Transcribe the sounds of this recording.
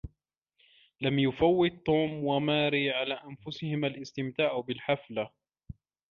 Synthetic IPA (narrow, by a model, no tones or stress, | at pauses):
lamjʊfawːɪt̪̚ˤːuːmwamaːɾiːʕalaːʔanfʊsɪhɪmalʔɪst̪ɪmt̪aːʕʔbɪlħafla